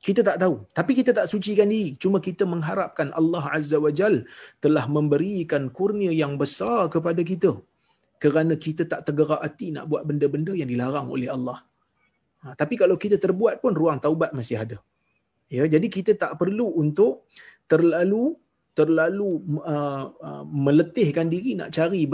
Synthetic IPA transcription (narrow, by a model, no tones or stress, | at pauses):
kit̪ət̪aʔt̪aut̪apikit̪ət̪aʔsut͡ʃikandiɾit͡ʃumə̃kit̪əməŋɦaɾap̚kanʔa̰lːɑɦa̰zːawəd͡ʒalt̪əlahmə̃mbəɾikankurniəjaŋbəsarkəpadak̬it̪ə | kəɾanə̃kit̪ət̪aʔt̪əɡəɾaʔat̪ina̰ʔbuat̪̚bəndəbəndəjaŋdilaɾaŋo̰lɛhalːɑh | t̪apikalawkit̪ət̪ərbuat̪̚pʊnruaŋt̪aubat̪̚masɪɦada | jəd͡ʒadikit̪ət̪aʔpərluunt̪ʊʔt̪ərlalu | t̪ərlaluə | mə̃lət̪ɪhkandiɾina̰ʔt͡ʃaɾi